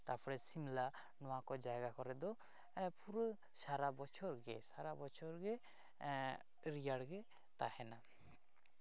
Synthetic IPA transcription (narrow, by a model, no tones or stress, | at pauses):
t̪aɾpʰɔɾɛsimla | nɔakɔd͡ʒaeɡakɔɾɛd̪ɔ | puɾo | ʃaɾabɔt͡ʃʰɔɾɡɛ̰ʃaɾabɔt͡ʃʰɔɾɡe | ɾiaɽɡe | t̪a̰hɛna